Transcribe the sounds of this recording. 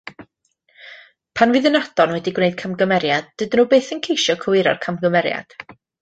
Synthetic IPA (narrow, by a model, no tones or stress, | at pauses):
pʰanvɨːðənad̥ɔnwɛdiɡwnejd̥̚kʰamɡəmɛɾjad̚dɨdnuːbeːθənkʰejʃjɔkʰəwɪɾɔ̰rkʰamɡəmɛɾja̰d̥